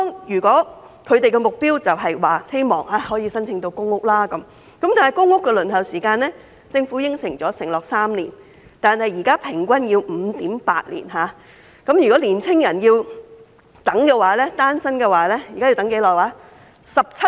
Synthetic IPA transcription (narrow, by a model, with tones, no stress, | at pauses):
t̪ɔː˥ŋjyː˨˩kʷɔː˨˥ | kʰɵ˨˧t̪e˨jkɛ˧mʊ˨k̚piː˥wt͡sɐ˨wɦɐ˨jwaː˨he˥jmɔ̰ː˨ŋaː˧˥hɔː˨˥jiː˨˧sɐ˥nt͡sʰɪ˧ŋt̪o˧wkʊ˥ŋːʊ˥k̚laː˥kɐ˨˦m | kɐ˨˦mt̪aː˨nɦɐ˨jkʊ˥ŋːʊ˥kːɛː˧lɵ˨˩nhɐ˨wsiː˨˩kaː˧nlɛː˥ | t͡sɪ˧ŋfuː˨˥jɪ˥ŋsɪ˨˩ŋt͡sɔː˨˥sɪ˨˩ŋlɔː˨k̚saː˥mlḭ˨˩n | t̪aː˨nhɐ˨jiː˨˩kaː˥pʰɪ˨˩ŋkʷɐ˥njiː˧wm̩˨˧t̪iː˨˥mpaː˧t̚lḭː˨˩nɦaː˨˧ | kɐ˨˥mjyː˨˩kɔː˨˥liː˨˩nt͡sʰɪ˥ŋjɐ˨˩njiː˧w | t̪ɐ˨˥ŋkɛː˧waː˨˥lɛː˥t̪aː˥nsɐ˥nkɛ˧waː˨˥lɛː˥jiː˨kaː˥ji˧t̪ŋke˨˥jlɔː˨˩aː˨˥ | sɐ˨p̚t͡sʰɐ˥